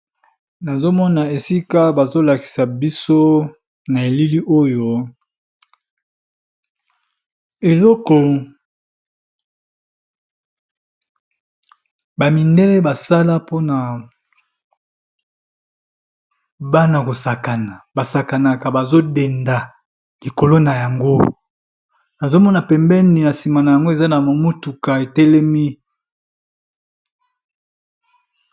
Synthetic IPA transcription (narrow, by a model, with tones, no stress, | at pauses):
na˨zo˦mɔ˦na˨e˨si˦ka˦ba˨zo˦la˨ki̥˨sa˨bi˦so˦ | na˨e˨li˦li˦ʔo˦jo˦ | e˨lɔ˦kɔ˨ | ba˨mi˨nde˦lɛ˦ba˨sa˦la˦po˦na˨ | ba˦na˨ko˨sa˨ka˨na˨ba˨sa˨ka˨na˨ka˨ba˨zo˦de˨nda˨ | li˨ko˨lo˦na˨ja˨ŋɡo˦ | na˨zo˦mɔ˦na˨pɛ˨mbɛ˦ni˨na˨si˨ma˨na˨ja˨ŋɡo˦e˨za˦na˨mo˨mu˦tu˨ka˨e˨tɛ˦lɛ˦mi˦